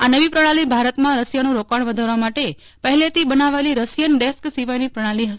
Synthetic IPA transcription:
anəʋipɾəɽ̃alibʱaɾət̪mãɾəsjanũɾokaɳ̃ʋəd̪ʱaɾʋamaʈe | pəɦɛlet̪ibənaʋeliɾəsjənɖesksiʋajnipɾəɽ̃aliɦəs

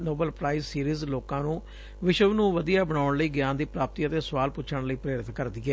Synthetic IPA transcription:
noːbəlpɾaːɪzsiːɾiːzloːkãːnũː | ʋɪʃəʋnũːʋəd̪ijaːbəɽ̃aːɳləiːɡjaːnd̪iːpɾaːp̚t̪iːət̪eːsəʋaːlpʊt͡ʃʰəɳləiːpɾeːɾɪt̪ʰkəɾd̪iːɛː

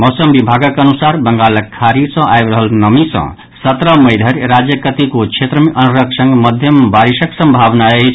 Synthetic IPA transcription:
mosəmbibʱaɡʌkənusaɾbʌŋɡaləkʰːaɾisʌ̃ʔajbɾʌɦəlnʌmisʌ̰̃ | sʌt̪ɾʌməjd̪ʱəɾɾad͡zjəkət̪ikot͡ʃʰet̪ɾəmʔənɾʌksʌŋɡmʌd̪ʱjʌmbaɾisəksʌ̃mbʱabnae

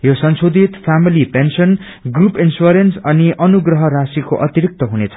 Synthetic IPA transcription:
josʌnsod̪ʱit̪pʰamilipensʌn | ɡrupinsuɾensʌniʔʌnuɡrʌɦʌrasiko̰ʔʌt̪iɾik̚t̪ʌɦunet͡sʰʌ̥

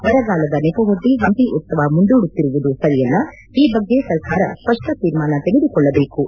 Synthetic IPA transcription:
ʋɐɾɐɡaːlɐd̪ɐnepɐɦoɖːiʋɐnt̪iʔut̪sɐʋɐmuɳd̪uːɽut̪ːiɾuʋud̪usɐɾijɛlːɐ | iːbɐɡːesɐɾkaːɾɐ̰spɐʂʈɐt̪iːɾmaːnɐt̪eɡed̪ukɔɭːɐbeːku

